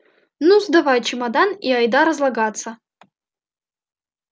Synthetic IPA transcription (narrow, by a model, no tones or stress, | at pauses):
nuzd̪avajt͡ʃimɐd̪aniajd̪aɾɐzlˠɐɡat̪sɐ